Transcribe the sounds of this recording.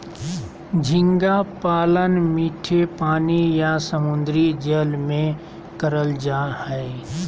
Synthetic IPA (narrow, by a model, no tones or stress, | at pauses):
d͡ʒʱɪ̃ŋɡapaːlənmiːʈʰepaːnijasəmʊ̃nd̪ɾid͡ʒəlmẽ | kəɾəld͡ʒaːhɛ